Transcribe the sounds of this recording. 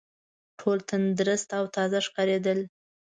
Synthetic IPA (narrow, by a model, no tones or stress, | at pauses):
ʈʰolt̪ənd̪ɾəst̪awt̪ɑzaʂkɑɾed̪əl